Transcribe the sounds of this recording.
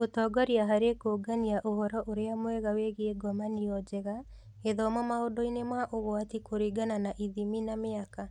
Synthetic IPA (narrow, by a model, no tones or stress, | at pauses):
otɔːɡɔɾiaɦaɾekoɡaniaʔohɔɾɔʔoɾeamwɛɣaweɣeeɡɔmaniɔd͡ʒɛɣa | eðɔmɔmaodɔinemaʔoɣwatikoɾiɡananaʔiðiminameaka